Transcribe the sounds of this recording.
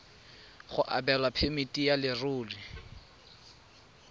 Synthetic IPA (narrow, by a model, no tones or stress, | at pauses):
χʊʔa̰bɛlwapʰemitʼijalɪrʊːlɪ